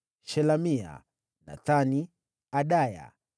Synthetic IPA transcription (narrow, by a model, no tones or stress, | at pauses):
ʃɛlamia̰ | na̰tani | aɗaja̰